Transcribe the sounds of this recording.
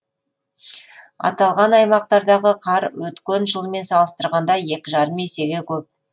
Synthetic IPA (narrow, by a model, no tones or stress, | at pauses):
ɑ̰t̪ɑlˠʁɑnɑjmɑqt̪ɑɾd̪ɑʁəqʰɑɾwɵt̪kʲenʒəlˠme̞nsɑlˠəst̪əɾʁɑnd̪ɑje̞kʲɪʒɑɾəmese̞ɡʲekʲʰɵp̚